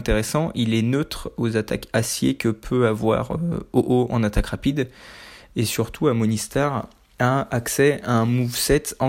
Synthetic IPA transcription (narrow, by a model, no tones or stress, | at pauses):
t̪eʁesɑ̃ʔilɛnøt̪χozat̪a̰kasjḛkəpʰøavwa̰ʁø̰oʔoɑ̰̃nat̪akʁapid̪ | esyʁt̪ʰuamɔnist̪aʁ | ãaksɛaɛ̃muvsɛt̪ɑ̃